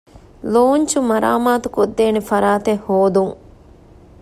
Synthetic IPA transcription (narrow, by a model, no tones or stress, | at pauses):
loːɲt͡ʃumɐɾa̰ːmaːt̪ukod̪ːeːnefɐɾaːt̪ehːoːd̪uŋ